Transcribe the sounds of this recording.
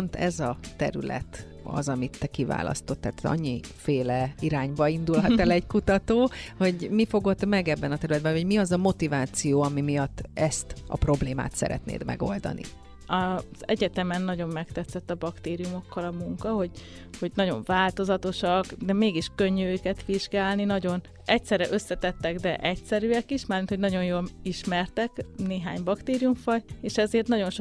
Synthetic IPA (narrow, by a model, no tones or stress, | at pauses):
nt̪ɛzɒt̪ɛ̰ɾylɛ̰t̪ | ɒ̰zɒmit̪ːɛkiva̰ːlɒ̰st̪o̞t̪ːaːt̪ɒ̰ɲːifeːlɛiɾaːɲbɒind̪ulɦɒt̪ɛlɛɟkut̪ɒt̪oːho̞ɟmifo̞ɡo̞t̪ːmɛɡɛbːɛnɒt̪ɛɾylɛd̪̚bɛ̃nɦoɟmiɒzɒmo̞t̪ivaːt̪sijoːɒmimijɒt̪ːɛst̪ɒ̰pro̞bleːma̰ːt̪sɛ̰ɾɛ̰t̪nḛːd̪mʔɛ̰ɡo̞ld̪ɒ̰nḭ | ɒz̥ɛɟɛt̪ɛmɛnːɒɟo̞mːɛkt̪ɛt̪sːɛt̪ːɒbɒkt̪eːɾijumo̞kːɒlɒmuŋkɒɦo̞ɟ | ho̞ɟnɒɟo̞̰ɱvaːlt̪o̞zɒt̪o̞ʃɒkd̪ɛmeːɡiʃkø̞ɲːyøːkɛt̪ʋiʒɡaːlninɒɟo̞n | ɛcsɛɾɛʔø̞sːɛt̪ɛt̪ːɛɡd̪ɛʔɛcsɛɾyɛkiʃmaːrmint̪ho̞ɟnɒɟo̞jjoːliʃmɛrt̪ɛkneːɦaːɲbɒkt̪eːɾijuɱfɒɟeːʃɛzeːrt̪nɒɟo̞nʃo